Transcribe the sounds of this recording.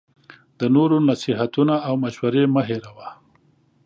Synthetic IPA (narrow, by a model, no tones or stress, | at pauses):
d̪̥ənoɾonasiɦat̪unaawmaʃwaɾeməɦeɾawa